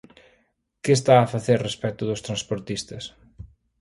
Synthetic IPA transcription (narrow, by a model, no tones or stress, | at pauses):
kɪst̪aːfaθeɾrespɛt̪ʊðʊst̪ɾanspoɾt̪ist̪ɐs